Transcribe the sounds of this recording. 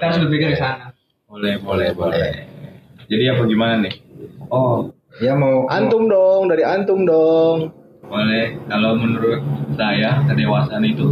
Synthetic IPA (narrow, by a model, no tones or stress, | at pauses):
t̪aɾs̬bət̪̚piɡaɾisana | bolɛhbolɛhbolɛ̰ | d͡ʒadiapaɡimananɪhɔ | jamawʔa̰nt̪ʊmdɔŋdaɾiant̪ʊmdɔŋ | bolɛhkalawmənuɾʊt̪̚sajakədewasaːnit̪u